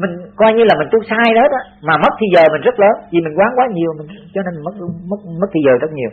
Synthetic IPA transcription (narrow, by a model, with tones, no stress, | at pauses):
mï˨˩ŋ̟kɔ˧jɲɨ˧laː˨˩mï˨˩ŋ̟t̪u˧əsaː˧jɗe˨˦˥t̚ɗɔ˨˦maː˨˩mə˦˥t̚t̪ʰi˧zəː˨˩mï˨˩ŋ̟zə˦˥t̚ləː˨˦nt̪ʰi˨˩mï˨˩ŋ̟kwaː˨˦ŋkwaː˨˦ɲi˨˩əwmï˨˩ŋ̟t͡ɕɔ˧ne˧nm˨˩mə˦˥t̚mə˦˥t̚mə˦˥t̪i˧zəː˨˩zə˦˥t̚ɲi˨˩w